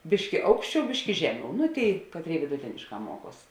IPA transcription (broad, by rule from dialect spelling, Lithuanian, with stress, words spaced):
ˈbʲɪʃʲkʲɪ ˈɐʊkʃʲˌt͡ʃʲɛʊ ˈbʲɪʃʲkʲɪ ˈʒʲæːˌmʲɛʊ nʊ ˈtʲeːɪ ˈkɑːtʲˌrʲeːɪ ʋʲɪdʊˈtʲeːnʲɪʃˌkɑː ˈmuɔˌkuɔs